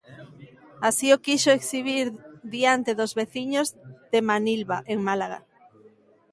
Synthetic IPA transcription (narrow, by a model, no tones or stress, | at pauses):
asiokiʃoeksiβ̞iɾðiant̪eðozβeθiɲozðemanilβaʔeŋmalaɣa̰